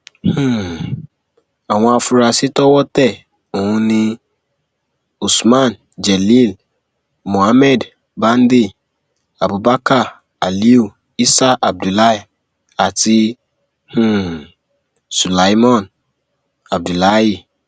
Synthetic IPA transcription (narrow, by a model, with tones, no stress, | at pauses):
hũ˦˨ | a˨w̃ɔ̃˦a˨fu˨ɾa˨si˦tɔ˦wɔ˦tɛ˦˨ | o˨hũ˧nĩ˧ | u˨smã˦˨n | d͡ʒɛ˨li˦˨l | mõ˨a˦mɛ˦˨d | bã˦n˦di˦˨ | a˨bu˨ba˦ka˦˨ | a˨li˦u˦˨ | i˦sa˦ʔa˨b̚du˨la˦i˨ | a˨ti˧ | hũ˦˨ | su˨la˨˦i˦mɔ̃˦˨n | a˨b̚du˨la˦ji˦